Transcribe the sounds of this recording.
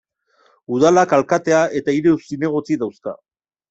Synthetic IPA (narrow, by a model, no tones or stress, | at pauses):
uð̞alakalkat̪e̞aet̪aiɾeusine̞ɣ̞o̞t͡siðawska̰